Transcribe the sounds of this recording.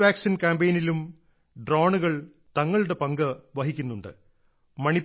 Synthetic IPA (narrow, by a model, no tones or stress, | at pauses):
ʋaːksinkaːmbejnilum | ɖroːɳuɣɐɭ | t̪ɐŋːɐɭuɽe̞pɐŋɡɐʋɐɦikʲːunːuɳɖɨ̰ | mɐɳi